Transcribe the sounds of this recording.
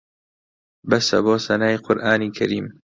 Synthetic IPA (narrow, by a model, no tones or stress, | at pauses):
bɐsɐ̰boːsɐnaːjqʰʊɾʔaːniːkʰɐɾiːm